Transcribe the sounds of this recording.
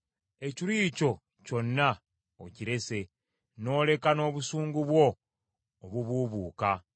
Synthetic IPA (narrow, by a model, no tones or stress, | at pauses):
e̞ciɾiːco̞ | co̞nːa | ociɾe̞se̞ | no̞ːle̞kano̞ːβusuːŋɡuβwo̞ː | βuβuːβuːka